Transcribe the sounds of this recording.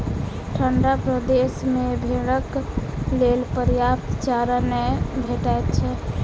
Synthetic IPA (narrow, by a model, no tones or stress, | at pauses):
ʈʰəɳɖapɾəd̪esmebʱeɽəklelpəɾjap̚t̪t͡ʃaɾanɛbʱeʈaet̪̚t͡ʃʰɛ